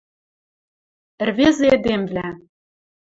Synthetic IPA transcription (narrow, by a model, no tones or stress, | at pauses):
ɘ̆rvezeed̪emvlæ